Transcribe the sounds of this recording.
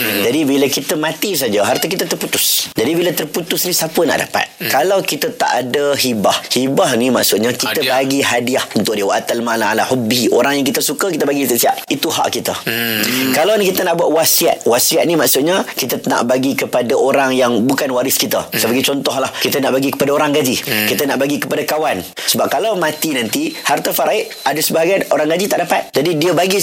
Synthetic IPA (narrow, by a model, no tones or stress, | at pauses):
d͡ʒadibiləkit̪əmãt̪is̬ad͡ʒaɦart̪ək̬it̪ət̪ərput̪ʊsd͡ʒadibilət̪ərput̪ʊsnisapəna̰ʔda̰pa̰t̪̚kalawkit̪ət̪a̰ʔadəhibahhibahnima̰ʔsʊʔ̪̚ɲakit̪əbaɡiɦadiahunt̪ʊʔ̚diwaʔt̪almalaalahubiʔoɾaŋjaŋkit̪əsukəkit̪əbaɡit̪əsia̰ʔ̚it̪uɦa̰ʔkit̪ə | kalanikit̪ənaʔbuaʔwasia̰t̪̚wasiat̪̚nimaʔsʊt̪̚ɲəkit̪ət̪əna̰ʔbaɡikəpadaoɾaŋjaŋbukanwaɾɪskit̪əsəbaɡat͡ʃɔnt̪ɔɦlahkit̪ənaʔbaɡikəpadaoɾaŋɡad͡ʒikit̪ənaʔbaɡikəpadakawansəbap̚kalawmãt̪inant̪ihart̪afaɾaɪʔadəsəbaɦaɡaanoɾaŋɡad͡ʒit̪aʔdapa̰t̪̚d͡ʒadidiəbaɡi